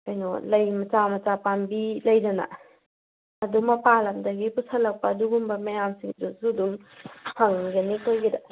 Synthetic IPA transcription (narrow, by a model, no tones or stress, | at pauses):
ajnɔ̰lɐjmɐt͡ʃamɐt͡ʃapambilɐjdɐna̰ | ɐdumɐpalɐmdɐɡipusʰalɐk̚pɐːduɡumbɐmɐjamsiŋduzuduŋhʰaŋɡɐnitojɡida